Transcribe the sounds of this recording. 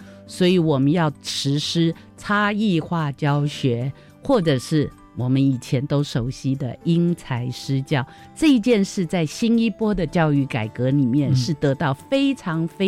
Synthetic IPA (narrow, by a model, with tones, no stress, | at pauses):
swɔ˧˥i˧˥wɔ˨˩mə˦njɑ˥˩ʊʈ͡ʂʰɻ̩˧˥ʂɻ̩˥ | t͡sʰa˥i˥˧xwa˥˧t͡ɕjɑ˥ʊɕɥɛ˧˥ | xwɔ˥˩ʈ͡ʂɤ˨˩ʂɻ̩˥˩ | wɔ˨˩mə˦ni˨˩t͡ɕʰjɛ˧˥nt̪o˥ʊʂo˧˩ʊɕi˧˥d̪ə˨i˥ŋt͡sʰa˧˥ɪʂɻ̩˥t͡ɕjɑ˥˩ʊ | ʈ͡ʂɤ˥˧i˧˥t͡ɕjɛ˥˧nʂɻ̩˥˧t͡sa˥˩ɪɕi˥ni˥pwɔ˥d̪ə˨t͡ɕjɑ˥˧ʊy˥˩ka˨˩ɪkɤ˧˥li˨˩mjɛ˥˨nʂɻ̩˥˩t̪ɤ˧˥t̪ɑ˥˩ʊfe˥ɪʈ͡ʂʰɑ˧˥ŋfe˥